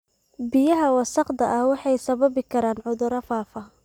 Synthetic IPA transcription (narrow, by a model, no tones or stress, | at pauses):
bɪjɐɦɐwɑsɑqd̪ɐʔɐhwɑħɑjsɐβɐβɪkʰɐɾaːnʕʊðʊɾɐfaːfɐ